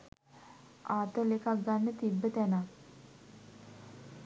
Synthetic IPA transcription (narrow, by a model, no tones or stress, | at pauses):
aːt̪əlekak̚ɡanːət̪ibːət̪æna